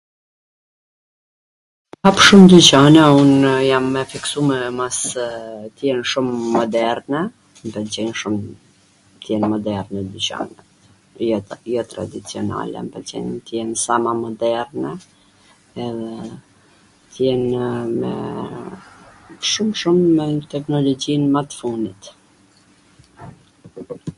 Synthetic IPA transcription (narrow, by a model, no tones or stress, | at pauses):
hapʃumd̪yt͡ɕanɛunjamːɛfiksumɛmas | t̪jɛnʃumːɔd̪ɛɾnɛ | mbɛd͡ʑɛnʃum | t̪jɛnmɔd̪ɛɾnɛd̪yt͡ɕa̰nɛt̪ | jɔt̪ɾa̰d̪it͡siɔna̰lɛ̰mbɛd͡ʑɛ̰nt̪jɛnsamamɔd̪ɛɾnɛː | ðɛ | t̪jɛnmɛ̰ | ʃumʃumːɛt̪ɛknɔlɔd͡ʑinmat̪funit̪